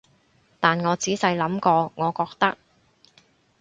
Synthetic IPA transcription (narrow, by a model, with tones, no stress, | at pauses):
t̪aː˨nŋɔː˨˧t͡siː˨˥sɐ˧jlɐ˨˥mkɔː˧ŋɔː˨˧kɔː˧k̚t̪ɐ˥k̚